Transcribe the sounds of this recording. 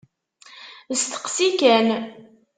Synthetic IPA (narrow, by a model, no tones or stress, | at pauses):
əst̪ə̥qsikæn